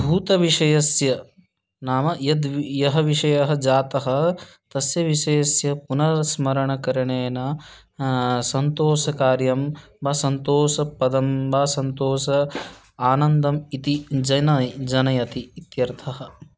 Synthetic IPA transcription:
bʱuːt̪ɐʋiʂɐjɐsjɐ | naːmɐjɐd̪jɐɦɐʋiʂɐjɐɦɐ̆d͡ʒaːt̪ɐɦɐ̆ | t̪ɐsjɐʋiʃɐjɐsjɐpunɐsmɐɾɐɳɐkɐɾɐɳeːnɐ | sɐnt̪oːʃɐkaːɾjɐm | bɐsɐnt̪oːʃɐpɐd̪ɐmbɐːsɐnt̪oːʃɐ | aːnɐnd̪ɐmit̪id͡ʒɐnɐjd͡ʒɐnɐjɐt̪iːt̪jɐɾt̪ʰɐɦɐ̆

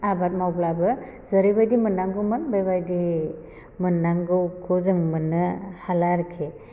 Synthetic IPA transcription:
abat̚mawblabɯ | zəɾibajdimɯnːaŋɡɯmɯnbajbajdi | mɯnːaŋɡɯɡʰozɯŋmɯnɯhalaɾkʰe

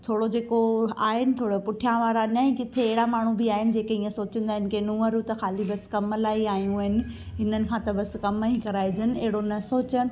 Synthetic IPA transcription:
t̪ʰoːɽod͡ʑeːkoa̰ːɦɪnɪ̆t̪ʰoːɽopʊʈʰijãʋaːɾanɐĩkɪt̪ʰeːɦɪɽamaːɳ̤ũbiaːɦɪnɪ̆d͡ʑeːkeĩːẽsoːt͡ɕə̃nd̪aːɦɪnɪ̆kʰenũːəɾut̪ɐxaːlibɐskɐmlaːiaːɦijũɦɪnɪ̆ɦɪnənɪ̆kʰãt̪ɐbɐs̆kɐmikɐɾaːid͡ʑənɪ̆eɦɪɽonɐsoːt͡ɕənɪ̆

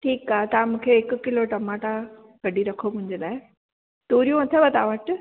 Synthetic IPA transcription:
ʈʰiːkaːɦet̪ɐãmũːkʰeɪkʊkɪloʈɐmaːʈa | kɐɖʱiɾɐkʰomʊ̃ɦɪ̃ɲd͡ʑeɗaːɦe | t̪uːɾijũɐt̪ʰebɐt̪aʋəʈ

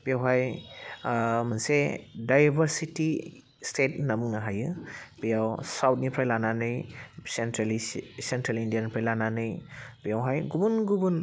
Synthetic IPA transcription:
b̥ijawɦaj | mansedajbəɾsiti | stʰet̚namuŋaɦajɯb̥ijawsawt̚nipʰɾajlananɯjsentɾlisentɾalindijanipʰɾajlananɯjbijawɦajɡubunɡubun

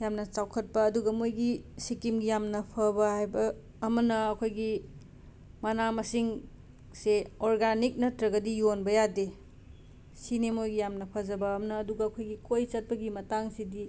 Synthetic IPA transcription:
jamnɐt͡ʃawkʰɐt̚pɐːduɡɐmojɡisikimɡijamnɐpʰɐbɐhajbɐː | mɐnɐɐkʰojɡi | mɐnamɐsiŋ | seoɾɡanik̚nɐtɾɐɡɐdijonbɐjade | sinemojɡijamnɐpʰɐd͡ʒɐbɐːmnɐːduɡɐːkʰojɡikʰojt͡ʃɐt̚pɐɡimɐtaŋsidi

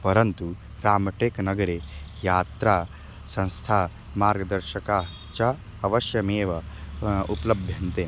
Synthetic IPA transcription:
pɐɾɐnt̪u | ɾaːmɐʈeːknɐɡɐɾejaːt̪ɾaː | sɐ̃ñst̪ʰaː | maːɾɡɐd̪ɐɾʃɐkaː | t͡ʃɐ | ɐʋɐʃjɐmeːʋɐuplɐbʱjɐnt̪eː

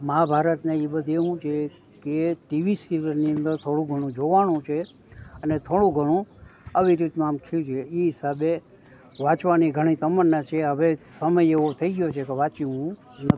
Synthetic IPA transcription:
mãbʱaɾət̪neibəd̪ʱeɦũt͡ʃʰe | keʈiʋisiʋəɾniə̃nd̪əɾt̪ʰoɽ̃ũɡʱəɽ̃ũd͡ʒoʋaɳ̃ũt͡ʃʰe | ənet̪ʰoɽ̃ũɡʱəɽ̃ũəʋiɾit̪nũamkʰũt͡ʃʰeiɦɪsabe | ʋãt͡ʃʋaniɡʱəɽ̃it̪əmənːat͡ʃʰeɦəʋesəməjeʋot̪ʰəiɡjot͡ʃʰekeʋat͡ʃiũ | nət̪i

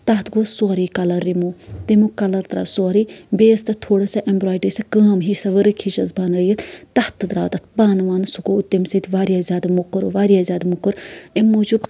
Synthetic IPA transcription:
t̪ɐɦt̪ɡoːsɔːɾiːkɐlɐɾːimuːt̪emukɐlɐɾt̪ɾɐ̰sɔːɾiːbeːst̪ɐt̪ʰoːɽɐsaʔembɾaːjʈisɐkəːmɦisɐʋəɾɨkʰiʃɐzbaːnɐjɐt̪t̪ɐht̪ɨd̪ɾaːt̪ɐt̪̚baːnʋaːnsuɡout̪ːimsit̪ʲʋaːɾjazʲaːd̪amukɐɾṵʋaːɾijazʲaːd̪mukɨɾemːuːd͡ʒub

